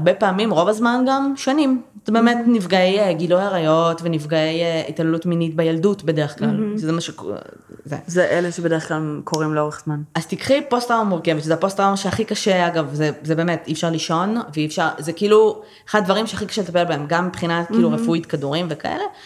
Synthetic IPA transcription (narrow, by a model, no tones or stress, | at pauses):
aʁbepaːmimʁo̞vazmanɡamʃanim | zebe̞ːme̞tnivɡaejeɡilojaʁajo̞tvenivɡaejeitalelutminitbejaldutbe̞deeχklalʃezemaʃek | zḛzeʔeleʃebedeeklalmkʰo̞ʁimleo̞ʁeχz̥manaz̥t̪ikχipo̞stʁawmuʁkevet̪zeapo̞stʁawnʃeaχikaʃeaɡavzezebeːme̞tifʃaʁliʃo̞nveifʃaʁzekiiːlu | eχad̪d̪vɐʁimʃeaχikḁʃelet̪apelbaemɡamːipχinatkiːluʁefuitkaduʁimveka̰ʔḛle̞